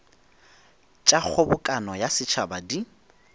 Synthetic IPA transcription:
t͡ʃʼak͡xʰʊbʊkʼanɔjasɪt͡ʃʰabadi

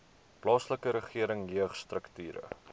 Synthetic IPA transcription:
plɑːsləkəɾəχiəɾəŋjøəχst̪rəktyːɾə̰

